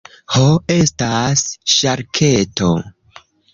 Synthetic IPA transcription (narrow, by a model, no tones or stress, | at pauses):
hoe̞stasʃaɾkʰe̞to̞̰